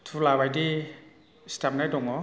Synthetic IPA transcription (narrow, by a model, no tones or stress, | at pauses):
tʰulabajdi | stap̚najdɔŋɔ